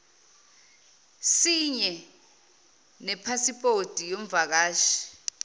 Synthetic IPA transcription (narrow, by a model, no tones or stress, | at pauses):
siɲɛ | nɛpʰasipʼotʼijoɱ̩vak̬aːʃi̥